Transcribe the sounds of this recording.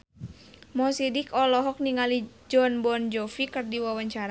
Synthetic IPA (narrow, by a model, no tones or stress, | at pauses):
mɔsidikɔlɔɦɔk̚niŋali | d͡ʒɔnbɔnd͡ʒɔfikɨrdiwawaɲt͡ʃaɾa